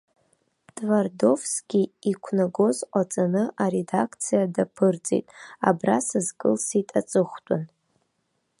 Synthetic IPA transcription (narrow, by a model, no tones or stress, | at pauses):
tʼvardo̞vskʲiikʷʰnaɡo̞zqʷʼat͡sʼanɨʔaɾedakʰt͡sʰijadapʰɨrt͡sʼḛtʼa̰brasɨzkʼɨlsitʼat͡sʼɨχʷtʼʊn